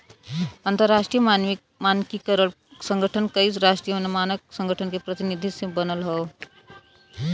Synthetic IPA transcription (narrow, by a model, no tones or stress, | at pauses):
ənt̪əɾːaʂʈɾijəmanʋi | mankikəɾəɭ | səŋɡʱəʈʰənkəiːt͡sɾaʂʈɾijəənemanəksə̃ŋɡəʈʰənkepɾət̪inid̪ʱisẽbənəlɦə